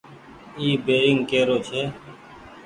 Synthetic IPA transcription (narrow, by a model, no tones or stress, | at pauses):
iːbeːɪŋɡkeːɾoːt͡ʃʰeː